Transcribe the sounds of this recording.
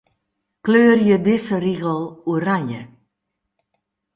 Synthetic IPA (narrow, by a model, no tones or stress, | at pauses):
kløːrjədɪsəriɣəlˠuəɾanjə